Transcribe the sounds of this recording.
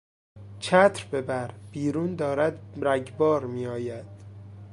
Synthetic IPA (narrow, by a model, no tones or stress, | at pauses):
t͡ʃʰæt̪ʰɾbe̞bæɾb̥iːɾuːnd̪ɒːɾæd̪ɾæɟbɒːɾmiːjɒːjæd̪̥